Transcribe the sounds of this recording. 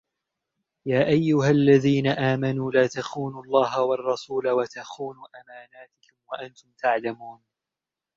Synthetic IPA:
jaːʔajːʊɦalːaðiːnaʔaːmanuːlaːt̪axuːnʊlˤːɑːɦawɑrˤːɑsuːlawat̪axuːnuːʔamaːnaːt̪ɪkʊmwaʔant̪ʊmt̪aʕlamuːn

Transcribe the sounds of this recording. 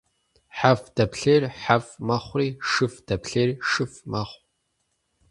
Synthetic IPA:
ħafd̥ɐpʰɬeːrħafmɐχʷriːʂɨfd̥ɐpɬeːrʂɨfmɐχʷ

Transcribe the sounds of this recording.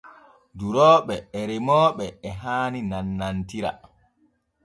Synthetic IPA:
duɾɔːɓɛːɾɛmɔːɓɛːɦaːninanːantiɾa̰

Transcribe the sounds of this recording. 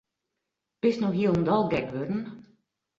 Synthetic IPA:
b̥ɪsnɔxɦiəlˠəndɔlˠɡɛkʋødn̩

